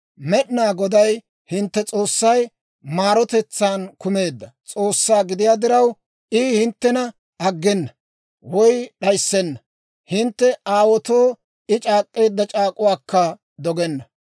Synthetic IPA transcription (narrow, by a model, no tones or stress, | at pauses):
mɛɗnaːɡɔd̪ɐj | hɪnt̪ːɛt͡sʼoːsːɐj | maːɾɔt̪ɛt͡sːaːnkʊme̞ːd̪ːɐt͡sʼoːsːaːɡɪd̪ɪjaːd̪ɪɾɐw | ʔihɪnt̪ːɛnɐ | ɐɡːɛnːɐ | wɔjɗɐjsːɛnːɐ | hɪnt̪ːɛʔaːwɔt̪oː | ɪt͡ʃʼaːkʼːe̞ːd̪ːɐt͡ʃʼaːkʼʊwaːkːɐ | d̪ɔɡɛnːɐ